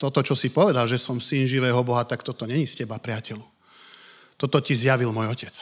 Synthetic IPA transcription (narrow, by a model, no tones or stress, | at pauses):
t̪ɔt̪ɔt͡ʃɔsipɔʋɛd̪alʒɛsɔmsinʒiʋɛːɦɔbɔɦat̪akt̪ɔt̪ɔɲɛɲiscɛbapɾɪacɛlu | t̪ɔt̪ɔcizjaʋilmɔjɔcɛt͡s